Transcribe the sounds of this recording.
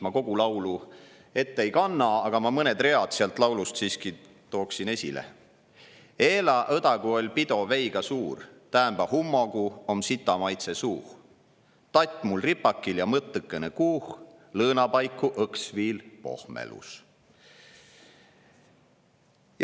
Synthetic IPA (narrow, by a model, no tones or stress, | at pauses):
mɑko̞ɡ̥ulɑwlu | e̞t̪ːejkɑnːɑɑɡ̥ɑmɑmɤned̪re̞ɑd̪̥seɑlt̪ˑlɑwlust̪siːski | t̪o̞ːksine̞sʲilḛ | e̞ːlɑʔɤd̪ɑɡuo̞lʲpid̪o̞vejɡ̥ɑsuːrt̪æːmbɑhumːo̞ɡuo̞msit̪ːˑɑmɑjt̪se̞suːh | t̪ɑt̪ʲːˑmulripːɑkːiljɑmɤt̪ːɨkːˑenekuːh | lɤːnɑpɑjkːˑuʔɤksviːlpo̞̰hmḛlṵs